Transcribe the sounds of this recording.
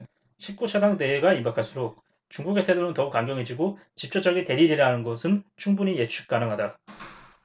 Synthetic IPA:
ɕʰik̚k͈ut͡ɕʰadaŋte̞eɡaimbakʰaɭs͈uɾok̚ | t͡ɕuŋɡuɡe̞tʰedonɯntʌuk͈aŋɡjʌŋɦed͡ʑiɡo | t͡ɕip̚t͡ɕ͈od͡ʑʌɡite̞ɾiɾiɾanɯnɡʌsʰɯnt͡ɕʰuŋbuɲije̞t͡ɕʰuk̚k͈anɯŋɦada

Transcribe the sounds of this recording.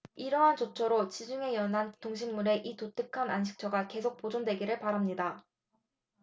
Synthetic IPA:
iɾʌɦant͡ɕot͡ɕʰʌɾot͡ɕid͡ʑuŋe̞jʌnɦantoŋɕ̬ʰimːuɾe̞ʔitot͈ɯkʰananɕ̬ʰi̥k̚t͡ɕʰʌɡake̞sʰok̚p͈od͡ʑondwe̞ɡiɾɯɭpaɾamɲida

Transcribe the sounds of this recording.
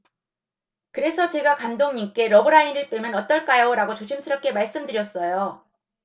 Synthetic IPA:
kɯɾe̞sʰʌt͡ɕe̞ɡakandoŋɲimk͈e̞ɾʌbɯɾainɯɭt͈wemjʌnʌt͈ʌɭk͈ajoɾaɡot͡ɕoɕʰimsʰɯɾʌp̚k͈e̞maɭs͈ɯmdɯɾjʌs͈ʌjo

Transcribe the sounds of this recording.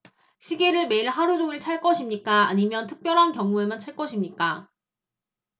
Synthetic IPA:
ɕʰiɡe̞ɾɯɭme̞iɭɦaɾud͡ʑoŋɯɭt͡ɕʰaɭk͈ʌɕʰimɲik͈aa̰ɲimjʌntʰɯ̥k̚p͈jʌɾɦankjʌŋue̞mant͡ɕʰaɭk͈ʌɕʰimɲik͈a

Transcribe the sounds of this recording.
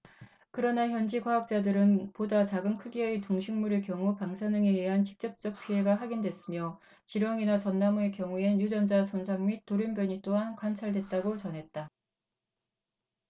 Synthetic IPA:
kɯɾʌnaçjʌnd͡ʑikwaɦak̚t͡ɕ͈adɯɾɯnpodat͡ɕaɡɯmkʰɯɡiʌetoŋɕʰiŋmuɾɯɭkjʌŋupaŋsʰanɯŋeiɦant͡ɕi̥k̚t͡ɕ͈ʌp̚t͡ɕ͈ʌk̚pʰiɦe̞ɡaɦaɡindwe̞s͈ɯmjʌ | t͡ɕiɾwʌŋinat͡ɕʌnːamɯɭkjʌŋuenjud͡ʑʌnd͡ʑasʰonsʰaŋmit̚t͈ːoɾjunbjʌɲit͈oɦankwant͡ɕʰaɭdwe̞t̚t͈aɡot͡ɕʌnɦe̞t̚t͈a

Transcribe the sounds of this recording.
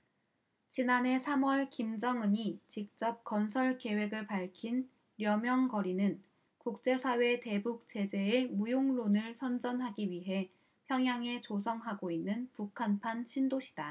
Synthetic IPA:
t͡ɕinanɦe̞sʰamwʌɭkimd͡ʑʌŋɯɲit͡ɕik̚t͡ɕ͈ʌp̚kʌnsʰʌɭke̞we̞ɡɯɭpaɭkʰin | ɾjʌmjʌŋkʌɾinɯn | kuk̚t͡ɕ͈e̞sʰawe̞te̞buk̚t͡ɕ͈e̞d͡ʑe̞emujoŋlonɯɭsʰʌnd͡ʑʌnɦaɡiɥiɦe̞ | pʰjʌŋjaŋe̞t͡ɕosʰʌŋɦaɡoinːɯnpukʰanpʰanɕʰindoɕʰi̥da

